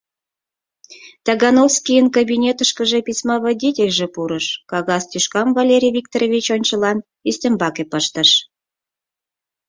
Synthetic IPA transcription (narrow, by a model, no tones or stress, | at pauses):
t̪ɑɣɑnofskʲijənkabʲinʲet̪əʃkəʒepʲisʲmɑβɑdʲitʲelʲʒĕpuɾəʃkɑɣɑst̪yʃkɑmvɑlʲeɾʲijvʲik̚t̪oɾovʲit͡ɕonʲt͡ɕəlɑn | isʲt̪ʲə̆mbɑkʲepəʃt̪əʃ